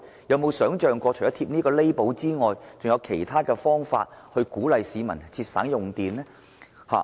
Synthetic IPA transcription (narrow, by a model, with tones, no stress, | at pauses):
jɐ˨˧wmo˨˧wsœː˨˥ŋt͡ʃœː˨ŋkɔː˧t͡ʃʰːɔ˥t̪ʰiː˧p̚niː˥kɔː˧le˥jpo˨˥wt͡siː˥ŋɔː˨jt͡sʊ˨ŋjɐ˨˧wkʰe˨˩jt̪ʰaː˥kɛː˧fɔː˥ŋfa̰ː˧t̚hɵ˧ɥkuː˨˥lɐ˨jsiː˨˧mɐ˨˩nt͡sʰiː˧t̚sa̰ː˨˥ŋjʊ˨ŋt̪iː˨nɛ˥ | ha̰ː˨˩